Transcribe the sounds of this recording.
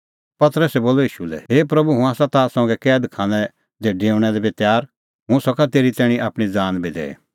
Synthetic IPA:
pɐt̪əɾəsɛboːloiːʃulɛ̰ɦeːpɾɐbuɦũaːsãt̪asɔ̃ːɡɛkɛːd̪kʰãːnɛ̃ | d̪eɖeːʊɽ̃ɛd̪ɛbet̪jaːɾ | ɦʊ̃sɔkat̪eːɾit̪ɛːɽ̃iʔaːpɽ̃id͡zaːnbid̪ɛ̰ːḛ

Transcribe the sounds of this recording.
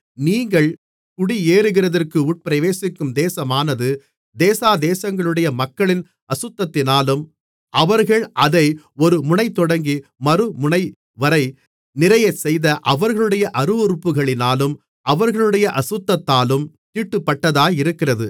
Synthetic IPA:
niːŋɡɐɭ | kʊɽieːɾɯɣɪrɐðɐrkɯʊʈ̚pɪɾɐʋeːsɪkːɯmd̪eːsɐmaːnɐðɯ | d̪eːsaːd̪eːsɐŋɡɐɭɯɽɐjɐmɐkːɐɭɪn | ɐsɯt̪ːɐt̪ːɪnaːlɯm | ʔɐʋɐɾɣɐɭʔɐðɐɪ | ɔɾɯmʊɳɐɪt̪ːɔɽɐŋɡimɐɾɯmʊɳɐɪ | ʋɐɾɐɪ | nɪɾɐjɐɪsɛjðɐʔɐʋɐɾɣɐɭɯɽɐjɐʔɐɾɯɔɾɯpːɯɣɐɭɪnaːlɯm | ʔɐʋɐɾɣɐɭɯɽɐjɐʔɐsɯt̪ːɐt̪ːaːlɯm | t̪iːʈːɯpːɐʈːɐðaːjɪɾɯkːɪrɐðɯ

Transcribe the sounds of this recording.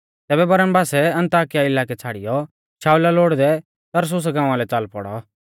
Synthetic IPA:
t̪ɛːbɛbɐɾəmbaːsɛɐ̃nt̪aːkɪjaɪlaːkɛt͡sʰaːɽɪjɔ | t͡ʃʰaːulaloːɽd̪ɛ | t̪ɐɾs̬ʊs̬ɡãːãlɛt͡salpɔ̰ɽɔ̰

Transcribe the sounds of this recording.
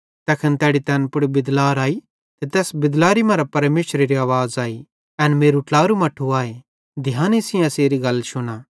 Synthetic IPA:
t̪ɛkʰənt̪ɛːɽit̪ɛːnpʊɽbɪd̪laːɾaːi | t̪et̪ɛːsbɪd̪laːɾimɐ̃ɾapɐɾmeːʃɾeɾiaːʋaːzaːi | ɛnmeːɾuʈlaːɾumɐʈʰːuaːe | d̪ʱɪjãːnisɪ̃ãseːɾiɡɐlʃʊnaː

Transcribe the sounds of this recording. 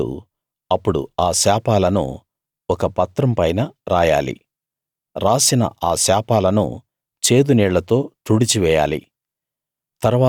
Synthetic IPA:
ṵ | ɐpːuɽṵaːsɛːpaːlɐnṵ | ɔkɐpɐt̪ɾɐmpɐjnɐɾaːja̰ːlḭ | ɾaːsinɐ̰ʔaːsɛːpaːlɐnṵ | t͡ʃe̞ːd̪unɛːɭːɐt̪o̞ːʈ̪uɽit͡ʃiʋɛːja̰ːlḭ | t̪ɐɾʋaː

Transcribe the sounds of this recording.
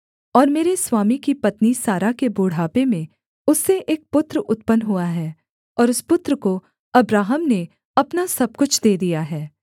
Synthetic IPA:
ɔːɾmeːɾeswaːmikipɐt̪nisaːɾakeboːɽ̤aːpemẽ | ʊsːeʔeːk̚pʊt̪ɾəʊt̪pənɦuaɦɛː | ɔːɾʊspʊt̪ɾəko | ɐbɾaːɦəmne | ɐpnasɐb̚kʊt͡ʃʰd̪eːd̪ijaɦɛː

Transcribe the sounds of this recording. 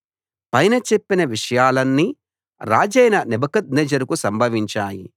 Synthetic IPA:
pɐjnɐt͡ʃepːinɐʋiʂɐjaːlɐnːi | ɾaːd͡ʒɐjnɐnibɐkɐd̪̚nɛd͡ʒɐɾukusɐmbʱɐʋiɲt͡ʃaːji

